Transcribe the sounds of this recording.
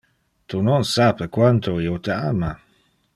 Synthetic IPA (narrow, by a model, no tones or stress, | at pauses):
t̪ʰunɔnsaːpəkwant̪ʰoiːot̪ʰəaːma